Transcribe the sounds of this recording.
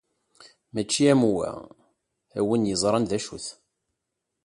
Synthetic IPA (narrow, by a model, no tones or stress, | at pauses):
mæt͡ʃːiæmuwæ̰ | æwənjəzˤɾˤɑnðæʃṵθ